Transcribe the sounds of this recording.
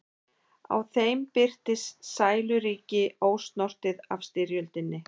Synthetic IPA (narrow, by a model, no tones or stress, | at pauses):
a̰wθejmpɪr̥t̪ɪssaːjlʏɾiːcɪoːwst̪nɔr̥t̪ɪðafst̪ɪɾjœlt̪ɪnːɪ